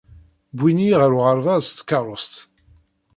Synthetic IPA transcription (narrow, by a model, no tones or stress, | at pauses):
bwiniʁəɾuʁəɾˤvɑðst̪ːkːɑɾˤəst̪